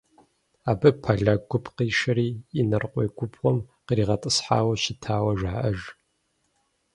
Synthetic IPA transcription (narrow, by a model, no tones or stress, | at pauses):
aːbɨpʰaɮaɡʷʊpʰqiːʃɐɾiːɪnɐrqʷʼeːɡʷʊpʰʁʷɔmqiɾiːʁɐtʼɨsħa̰ːwɐʃɪtʰaːwɐʒaːʔɐʒ